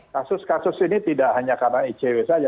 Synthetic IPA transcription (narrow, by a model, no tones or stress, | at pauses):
kasʊskasʊsinit̪idaʔhaɲakadaŋit͡ʃewesad͡ʒa